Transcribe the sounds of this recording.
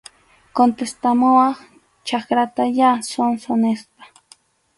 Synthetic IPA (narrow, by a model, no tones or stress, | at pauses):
kont̪est̪amowɑχ | t͡ʃakɾat̪ajasonsonespḁ